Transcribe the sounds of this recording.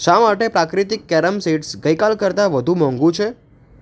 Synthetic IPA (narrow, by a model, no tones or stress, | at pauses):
ʃamaʈepɾakɾit̪ikːɛɾəmseʈsɡəjkalkəɾt̪aʋəd̪ʱũmɔ̃ŋɡũt͡ʃʰe